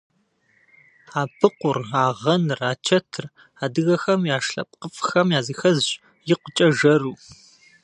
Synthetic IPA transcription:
aːbʰɨqʷʊraːʁɐnɨraːt͡ʃʰɐtʰɨr | aːdɨɣɐxɐmjaːʂɬɐ̰p̚ʼqəfʼxɐmjaːzixɐz | jɪqʷʊt͡ʃʼɐʒɐruː

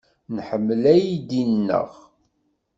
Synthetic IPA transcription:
nħəmːəlæjid̪inːə̰ʁ

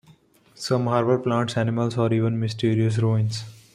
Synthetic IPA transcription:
sʌ̃mɦaːɾbəɾplãːɳʈsænɪməlsaːɾiːʋə̃nmɪsʈiːɾiəs̬ɾõːɪ̃ns

